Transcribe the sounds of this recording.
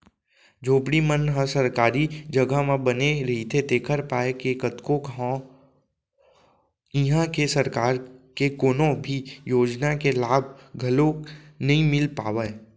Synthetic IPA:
d͡ʒoːpɽimənɦə̃sɐɾkaːɾid͡ʒɐɡamãbəneɾɐɦit̪ʰet̪eːkʰəɾpaːekekət̪kõkã | ɪɦãkesɐɾkaːɾkekoːnõbʱijoːd͡ʒnakelaːbʱɡʱɐlonɐɦĩmɪlpaːʋəe

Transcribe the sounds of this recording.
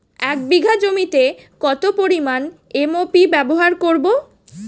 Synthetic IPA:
ɛk̚biɡʱad͡ʑomit̪e | kɔt̪opoɾiman | emopibɛboɦaɾkoɾbo

